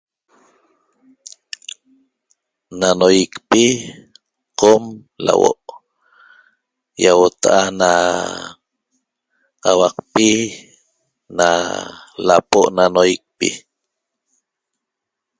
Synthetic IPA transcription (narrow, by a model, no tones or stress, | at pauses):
nanojikpi | qom | la̰wo̰ʔ | jawot̪aʔana | awɑqpi | na̰lapoʔnanojik̚pḭ